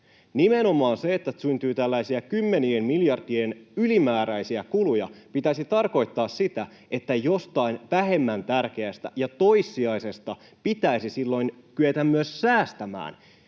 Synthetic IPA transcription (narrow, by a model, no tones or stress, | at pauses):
nimenomɑːnseet̪ːæsynt̪yːt̪ælːæisiækymːe̞nienmiljɑrdienylimæːɾæisiækulujɑ̰pit̪æsit̪ɑrko̞jt̪ːɑːssit̪æ | e̞t̪ːæjost̪ɑinʋæɦe̞mːænt̪ærk̟e̞æst̪æ̰jɑt̪o̞isːiɑjse̞st̪ɑ | pit̪æisisilːo̞jnkyet̪æmːyøsːæːst̪æmæ̰ːn